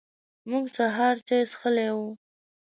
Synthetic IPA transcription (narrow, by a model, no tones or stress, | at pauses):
muɡsaɦɑɾt͡ʃesxəlewu